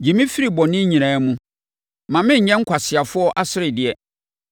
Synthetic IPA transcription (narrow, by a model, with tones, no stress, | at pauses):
d͡ʑi˨mĩ˦fi˦ɾi˦˨bɔ˨nɪ̃˦ɲĩ˨ãː˨˦mũ˦ | mã˨mɪ̃˦ɲ̩˨ɲɛ̃˦ŋ̩˦kʰʷa˨sɪ˨a˨fʊ˦ɔ˦ʔa˦sɪ˦ɾɪ˨dɪ˨ɛ˨